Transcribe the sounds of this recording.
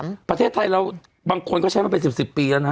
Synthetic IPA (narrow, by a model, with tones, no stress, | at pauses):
pɾa˧eː˥˩t̪ʰːa˧jlɛː˦˥w | baː˧ŋkʰo˧nkɔː˥˩a˦˥jmaː˥˩pe˧nsi˨˩p̚si˨˩pːiː˧la˧˩na˦